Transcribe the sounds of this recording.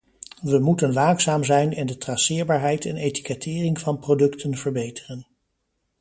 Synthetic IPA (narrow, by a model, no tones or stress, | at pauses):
ʋəmutənʋaːksaːmzɛjnɛndətrɑsɪːɹbaːɹɦɛjtɛ̰nejti̥kɛtʰɪːrɪŋvɑnprodɵktʰənvəɹbejtərən